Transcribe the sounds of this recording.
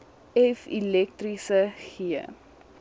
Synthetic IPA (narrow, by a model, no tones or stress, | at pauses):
ɛfḭlɛk̚trisəχiə̰